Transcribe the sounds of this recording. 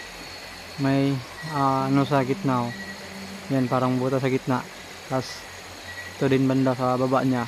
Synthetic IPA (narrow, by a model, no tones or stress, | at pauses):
maj | anusakit̪̚naw | janpaɾaŋbut̪as̬aɡit̪̚naʔ | las | t̪odinbəndasababaʔɲa